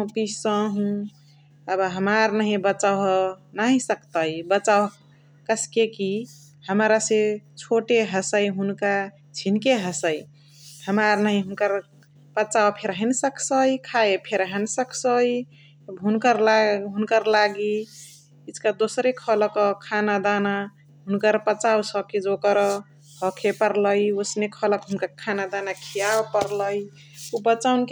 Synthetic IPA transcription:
ũpissə̃ɦũ | əbɦəmaɾnəɦĩbət͡ʃawɦnaɦĩsəkt̪əjbət͡ʃaw | kəskeki | həmɾaset͡ʃʰoʈeɦəsəjɦunka | t͡ʃʰinkeɦəsəj | həmaɾnaɦĩɦunkəɾ | b̥ət͡ʃawpʰeɾɦənsəkʰsəjkʰaepʰeɾaɦənsəkʰsəj | bʱɦunkəɾlaɦunkəɾlaɡi | itkad̪osɾekʰɔləkɔkʰanad̪ana | ɦunkəɾpət͡ʃawsʌkid͡ʒokəɾ | hʌkʰepəɾləjosnekʰɔləkɦunkakʰanad̪anakʰijawpəɾləj | ubət͡ʃawnk

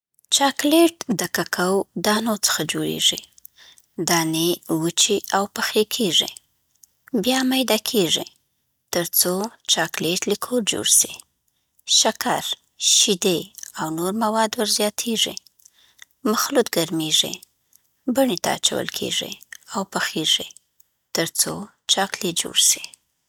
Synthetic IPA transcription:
t͡ʃɑkleʈd̪əkakʰawd̪ɑnot͡sə̥xad͡ʒoɽḛʐi | d̪ɑnewət͡ʃiʔawpaxekʰeʐḭ | bjɑmajd̪ɑkʰeʐḭ | t̪əɾt͡sot͡ʃɑkleʈlikʰoɾd͡ʒo̰ɽsi̥ | ʃakʰaɾ | ʃid̪eawnoɾmawɑd̪wəɾzjɑt̪ʰeʐḭ | maxlut̪ɡaɾmeʐḭ | baɳet̪a̰a̰t͡ʃa̰wə̰lkʰḛʐḭawpaxeʐi | t̪əɾt͡so | t͡ʃɑkled͡ʒo̰ɽsi̥

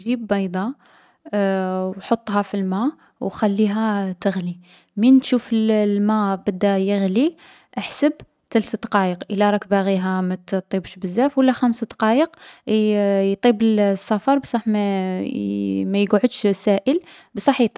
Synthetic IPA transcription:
ʒibːɑjd̪ˤɑ | wħot̪ˤːɦɑfilmæ | wxælːiɦæt̪əɣli | mint̪ʃufəllmæbəd̪ːæjəɣli | ʔaħsəb | t̪ælt̪d̪ɑqɑjəqʔəlæɾˤɑkbaɣiɦæmæt̪t̪ˤːibʃbəzːæfwəlːæxæmsad̪ɑqɑjəq | jt̪ˤibəlsˤːɑfɑɾˤbsˤɑħmæ | mæjɡʕəd̪ʃsæʔəl | bsˤɑħit̪ˤɑ

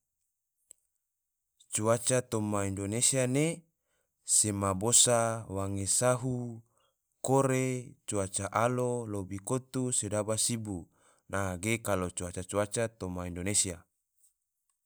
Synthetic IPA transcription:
t͡ʃuat͡ʃat̪omaindonesiane | semabosawaŋesaɦu | koɾet͡ʃuat͡ʃaʔalolobikot̪usedabasibu | naɡekalot͡ʃuat͡ʃat͡ʃuat͡ʃat̪omaindonesia

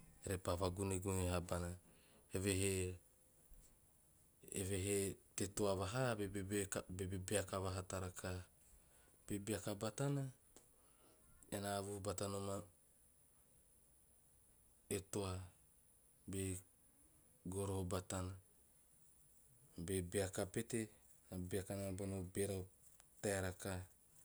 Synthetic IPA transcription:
eɾepaβaɡuneɡuneɦabana | heβeɦe | ḛβeɦetetoaβaɦabeabebebeakaβaɦataɾakʰa | b̥ebeakabatana | enaβuhubatanoma | etoa | be | ɡoɾohobatana | bebeakapete | abiakanabonobeɾa | taeɾaka

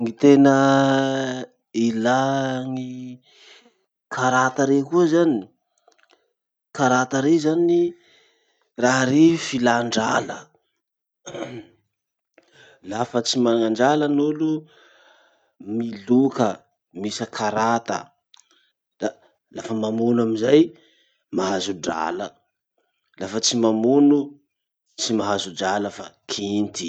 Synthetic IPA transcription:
ŋit̪enə | ilaŋi | kʰaɾat̪əɾekuəzani | kaɾat̪əɾezani | raɦaɾefilaɳɖ͡ʐa̰lə | lafət͡simanaŋaɳɖ͡ʐalənulu | milukə | misəkʰaɾat̪ə̰ | da | lafəmamunuamizaj | maɦazuɖ͡ʐa̰lə | lafət͡simamunu | t͡simaɦazuɖ͡ʐaləfakʰint̪i

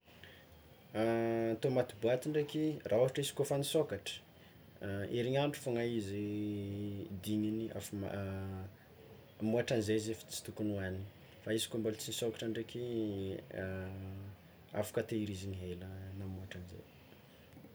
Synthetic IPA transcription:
t̪omat̪ibuat̪iɳɖ͡ʐekʲirʔaoɦaʈ͡ʂisi̥kofanisokaʈ͡ʂə̥ | iɾiɲaɳʈ͡ʂu̥foŋaizi | d̪iɲinia̰fm̰ | muaʈ͡ʂanizezefi̥t͡si̥t̪ukunuani | faisi̥kombalt͡sinisokḁʈ͡ʂaɳɖ͡ʐekʲi | afḁkat̪eiɾiziniɦelənamuaʈ͡ʂanizḛj

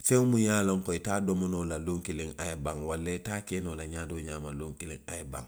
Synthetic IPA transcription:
fɛ̃ŋmujaːloŋkɔitaːdɔmɔnoːlaloŋkeleŋajebãŋwalːetaːkeːnolaɲaːdoːɲaːmaloŋkelẽŋajɛbã̰ŋ

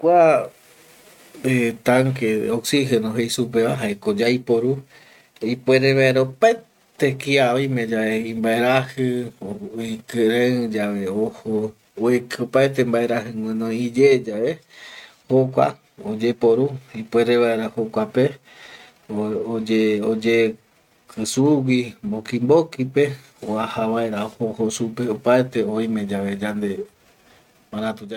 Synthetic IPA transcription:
kʷa | et̪aŋkeoksihenoɦejsup̬eβaɦaekod͡ʒajpoɾu | ipweɾeβaeɾaopae | t̪ekiaβamẽd͡ʒaeĩmbaeɾahɨoikɨɾẽɨd͡ʒaβe̞oho | ekɨopaet̪̬embaeɾaɦɨŋw̃ẽnõid͡ʒed͡ʒae | hokʷa̰ | od͡ʒe̞poɾuipweɾeβae̞ɾahokʷape̞ | ood͡ʒeod͡ʒe | kʰɨsuwimbokimbokipe̞ | oahaβae̞ɾaohohosupeopaet̪e̞oj̃mẽ̞d͡ʒaʋe̞d͡ʒand̪e̞ | mãɾãt̪u

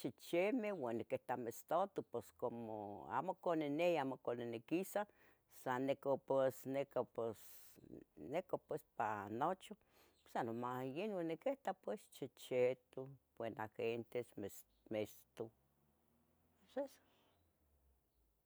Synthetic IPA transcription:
t͡ʃit͡ʃemewanːikeht̪amest̪ot̪upeskomo̰a̰mokoneneamokonenikisa | sanːekopesnekopes | nekopwespanot͡ʃo | pe̥sanomajenwanːikeht̪apwest͡ʃit͡ʃet̪ubwenaxent̪esm | mest̪u | esesḁ

